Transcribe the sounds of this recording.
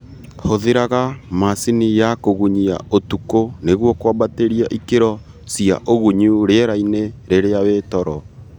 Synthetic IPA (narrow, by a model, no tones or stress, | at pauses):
hoðeɾaɣamasinijakoɣuɲia̰otukoneɣwɔkwabateɾiaʔikeɾɔ | sia̰ʔoɣuɲuɾeeɾaineɾeɾeawetɔɾɔ